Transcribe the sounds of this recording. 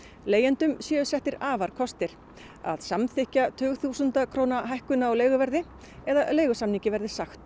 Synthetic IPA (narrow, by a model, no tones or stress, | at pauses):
leːjɛnt̪ʏmsjɛːðʏsɛht̪ɪɾaːvaɾ̥kʰɔst̪ɪɾ̥ | a̰ðsamθɪhcat̪ʰʏːɣθusʏnt̪akʰɾoːwnaɦajhkʏnaawleːjɣʏvɛɾðɪ | ɛðaleːjɣʏsamnicɪvɛɾðɪ̥saxt̪